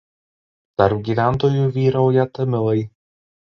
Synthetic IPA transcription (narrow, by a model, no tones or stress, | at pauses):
d̪̥ɐɾp̚ɡʲiːʋʲæˑnˑt̪oːjuʋʲiːɾɐʊjɛt̪ɐmʲɪlˠɐɪ